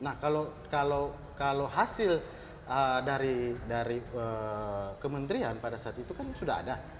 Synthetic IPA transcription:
nahkalokalow | kaloɦasɪl | ədaɾidaɾiəkəmənt̪ɾianpadasaat̪it̪ukansudaɦa̰da

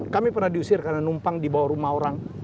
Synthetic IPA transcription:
kamipərnahdiusɪrkarnanumpaŋdibawaɾumahoɾaŋ

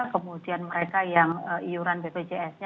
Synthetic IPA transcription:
kəmudianməɾekajaŋəijuɾanbebed͡ʒeɛsɲa

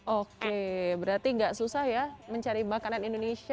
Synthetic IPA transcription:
ʔokebəɾart̪iŋɡaʔsusahjaməɲt͡ʃaɾibakananindonesi

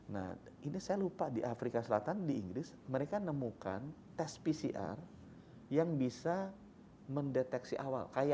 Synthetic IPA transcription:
na̰h | inisajalupadiʔafɾikasəlat̪andiːŋɡɾɪs | məɾekanəmuka̰n | t̪ɛspisiʔa̰r | jaŋbisa | məndet̪ɛksiʔawa̰lkaja

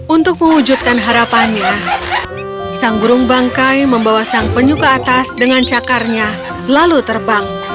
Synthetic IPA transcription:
ʔunt̪ʊk̚məŋud͡ʒut̪̚kanɦaɾapanɲa | saŋbuɾʊŋbaŋkajməmbawasaŋpəɲukaːt̪asdəŋant͡ʃakarɲa | lalut̪ərbaŋ

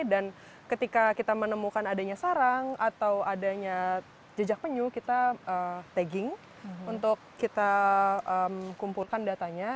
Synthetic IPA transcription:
dan | kət̪ikakit̪amənəmukanadaɲasaɾaŋat̪awadaɲa | d͡ʒəd͡ʒak̚pəɲukit̪aət̪ɛɡɪŋ | unt̪ʊkːit̪aəmkumpulkandat̪aɲa

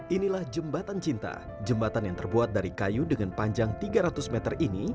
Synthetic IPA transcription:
ʔinilahd͡ʒəmbat̪ant͡ʃint̪a̰ | d͡ʒəmbat̪anjaŋt̪ərbuat̪̚daɾikajudəŋanpaɲd͡ʒaŋt̪iɡaɾat̪ʊsmɛt̪ərini

